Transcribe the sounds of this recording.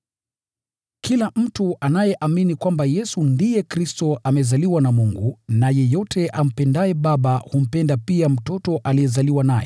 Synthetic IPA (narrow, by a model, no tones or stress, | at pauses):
kilam̩tuʔanajɛʔaminikwambajɛsundijɛkɾistɔʔamɛzaliwanamuŋɡunajɛjɔtʰɛʔam̩pɛndajɛɓaɓahum̩pɛndapiam̩tɔtɔʔalijɛzaliwanajɛ